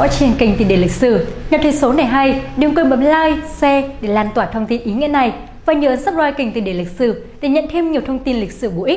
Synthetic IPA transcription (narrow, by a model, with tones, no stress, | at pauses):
ɔ̰˧˦˥t͡ɕi˧˩ənkï˨˩ŋ̟t̪ɨi˨˩ɗe˧˩lï˨˩k̟̚sɨ˧˩ɲa˨˩t̪ʰə˨˦jso˨˦na˨˩jɦa˧jɗi˨˩əwkəː˧mɓə˨˦nlaː˧jsɛ˧ɗe˧˩laː˧˩nt̪waː˧˩t̪ʰə˧wŋ͡mt̪i˧nʔi˨˦ŋḭ˧˥na˨˩j | vaː˨˩ɲɨ̰˧˨ʔə˨˦nsa˦˥p̚zaː˧jkï˨˩ŋ̟t̪ɨ˨˩ɗe˧˩lï˨˩k̟̚sɨ˧˩ | ɗe˧˩ɲə̰˧˨nt̪ʰe˧mɲi˨˩əwt̪ʰə˧wŋ͡mt̪i˧nlï˨˩k̟̚sɨ˧˩ɓṵ˧˩˨ʔi˦˥